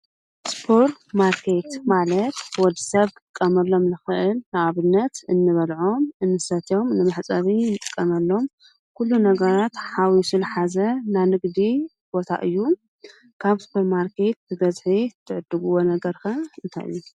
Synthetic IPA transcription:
spʰoɾmaɾkʰet̪malɐt̪wɔd̪isɐβkʼɨkʼːɐmɐlːo̞mlɨxɨʔɨlnaʔaβɨnːɐt̪ɨnːɨβɐlʕo̞mʔɨnːɨsɐt̪ʰo̞mnɨmɨħt͡sʼɐβinɨt̪ʼɨkʼːɐmɐlːo̞m | kʰulːunɐɡɐɾat̪ħawisɨlħazɐnanɨɡd̪i | b̥o̞t̪ʰa̰ʔɨjːu | kʰaβspʰoɾmaɾkʰe̞t̪̚bɨbɐzħit̪ʰːɨʕɨd̪ːɨɡɨwo̞nɐɡɐɾkʰɐɨnt̪ʰa̰ʔɨ̰jːu

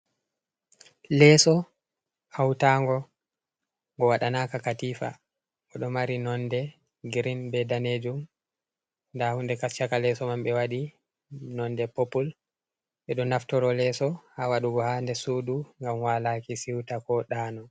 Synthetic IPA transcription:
lɛsɔ | awtaːŋɡɔ | ŋɡɔwaɗanakakatiːfa̰ | ʔɔɗɔmaɾinɔndɛ | ɡɾinbɛdaned͡ʒum | ndahundɛkast͡ʃakalɛsɔmamɓɛwaɗi | nɔndɛpopul | ɓɛɗɔnaftɔɾɔlɛsɔhawaɗuɡɔhandɛsuːduŋɡamwalakisiwtakɔɗanɔ

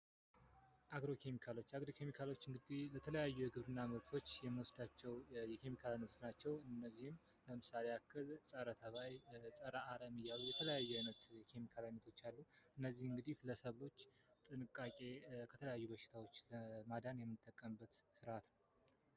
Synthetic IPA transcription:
ʔaɡɾo̞kʰe̞mikʰalo̞t͡ʃːaɡɾo̞kʰe̞mikʰalo̞t͡ʃːɨŋɡɨd̪ihlət̪ʰələjajːujɛɡɨβɾɨnːamɨɾt̪ʰo̞t͡ʃːjɛmːəwɔsd̪at͡ʃːɛwjɛkʰe̞mikʰalanət̪ʰot̪nat͡ʃːɛwɨnːəzːihɨm | ləmɨsaleakʰːɨlsʼəɾət̪ʰəβajsʼəɾaʔaɾəmɨjːalːujɛt̪ʰələjajːɛnət̪jɛkʰe̞mikʰalamət̪ʰo̞t͡ʃːalːuɨnːəzːihɨŋɡɨd̪ihləsəβlo̞t͡ʃːt̪ʼɨnɨkʼːakʼe̞kʰət̪ʰələjajːubəʃɪ̥t̪ʰawo̞t͡ʃːləmad̪anjɛmːɨnɨt̪ʼːəkʼːəmbːət̪sɨɾat̪nəw

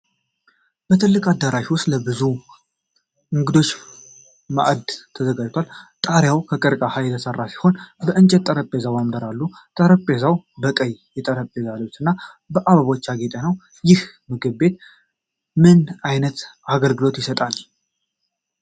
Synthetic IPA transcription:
b̥ət̪ʰɨlːɨkʼad̪ːəɾaʃiwʊst̪ʼləbɨzu | ɨŋɡɨd̪o̞t͡ʃː | ma̰ʔd̪t̪ʰəzəɡad͡ʒt̪ʰwalt̪ʼaɾjawkʰəkʼɨɾkʼahajɛt̪ʰəsərːasi̥ho̞nbəʔɨnt͡ʃʼɛt̪t̪ʼːəɾəpʼːezawamd̪əɾalːut̪ʼəɾəpʼːezawbəkʼəjjɛt̪ʼəɾəpʼːezalot͡ʃːɨnːa | bəʔaβaβo̞t͡ʃːaɡet̪ʼənəw | jɪh | mɨɡɨβe̞t̪ | mɨnajnət̪ʔaɡəlɡɨlo̞t̪jɪsət̪ʼal

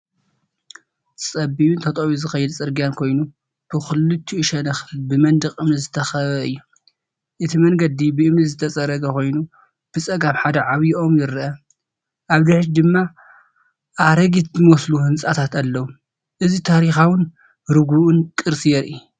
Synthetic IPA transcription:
t͡sʼɐbiβunt̪ʰɐt̪ʼowizɨxɐjːɛd̪t͡sʼɨɾɡijankʰo̞jnu | b̥ɨxɨlɨt̪ʰːiɨʃɐnɐxbɨmɐnd̪ɨkʼɨmnɨzɨt̪ʰɐxɐβɐɨjːu | ʔɨt̪ʰimɐŋɡɐd̪ibɨɨmnizɨt̪ʰɐt͡sʼɐɾɐɡɐkʰo̞jnu | b̥ɨt͡sʼɐɡaβħad̪ɐʕaβjiʔo̞mjɪɾʔɐ | ʔaβd̪ɪħɾd̪ɨmːa | ʔaɾɐɡit̪zɨmɐsluhɨnt͡sʼat̪ʰat̪ʰalːɐwu | ʔɨzit̪ʰaɾixawɨn | ɾɨɡuʔɨnkʼɨɾsijɛɾʔi

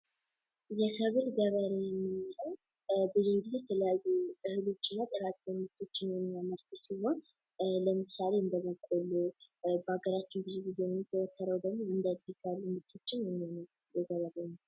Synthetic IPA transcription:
jɛsəβɨɾɡəβəɾejɛmːɨihəw | bɨzuɡizjɛt̪ʰələjajːukʼɨhɨlo̞t͡ʃːɪnːat̪ʼɨɾat̪ːomɨt̪ʰo̞t͡ʃːɪnjɛmːijaməɾt̪ʰɨsihon | ləmɨsale̞ɨnd̪əməkʷʼolubəaɡəɾat͡ʃːɪnbɨzuɡize̞mːt̪ʰəwək̪ːəɾəwd̪əɡmoɨnd̪ət̪ʼikʰalːumɨt̪ʰo̞t͡ʃːɪnjɛmːihonəw | jɛɡəβəɾenːə

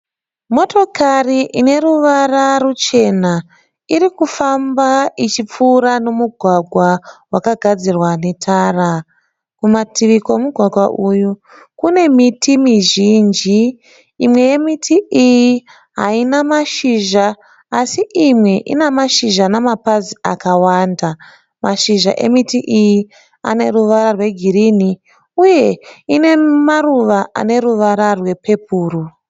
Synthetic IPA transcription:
mo̞to̞kʰariʔine̞ruʋararut͡ʃe̞na | irikufambait͡ʃip͡fuːɾano̞muɡʱwaɡʱwawakaɡʱad͡zirwane̞tʰaːra | kumatiʋikoemuɡʱwaɡʱwa̰ʔuju | kune̞mitimiʒind͡ʒiː | mwe̞je̞mitʰiiji | ɦainamaʃiʒaː | siʔimwe̞ʔḭnamaʃiʒanamapaziakawanda | maʃiʒa̰ʔe̞̰mitiʔiji | a̰ne̞ruʋaɾarwe̞ɡʱiɾini | uje̞ine̞maruʋaa̰ne̞ɾuʋaɾarwe̞pʰe̞p̚uːru

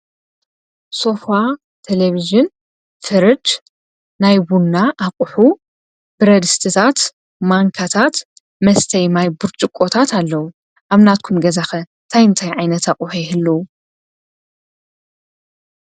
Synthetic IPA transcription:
so̞fa | t̪ʰeleβizɪn | fɨɾɨd͡ʒ | najbunːaʔakʼʊħu | b̥ɨɾɐd̪ɨst̪ʰɨt̪ʰat̪ | maŋkʰat̪ʰat̪ | mɐst̪ʰɐjmajbɨɾt͡ʃʼɨkʼːot̪ʰat̪ʰalːɐwu | ʔaβnat̪̚kʰumɡɐzaxɐnt̪ʰajɨnt̪ʰajʕajnɐt̪ʰaχʼuħujhɨlːɐwu

